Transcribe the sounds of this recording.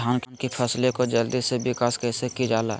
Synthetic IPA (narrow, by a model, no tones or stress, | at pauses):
aːnkʰənkipʰəslekod͡ʒəld̪isebɪkaːskɛːsekid͡ʒaːla̰ː